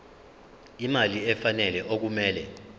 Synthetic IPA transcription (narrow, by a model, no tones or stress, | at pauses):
imaliɛfanɛlɛʔok̬umɛːlɛ